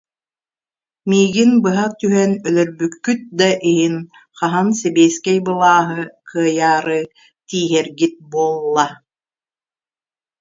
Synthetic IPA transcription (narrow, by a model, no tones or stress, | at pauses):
miːɡinbɯɦat̪yɦɛnœlœɾbykːyt̪̚d̪aʔiɦin | χaɦansɛbiːskɛjbɯlˠaːɦɯkʰɯɐjaːɾɯ | t̪iːɦɛɾɡit̪̚buɔlˠːa